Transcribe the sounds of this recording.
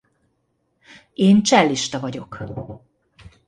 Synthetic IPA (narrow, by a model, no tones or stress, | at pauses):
eːnt͡ʃɛlːiʃt̪ɒvɒɟo̞k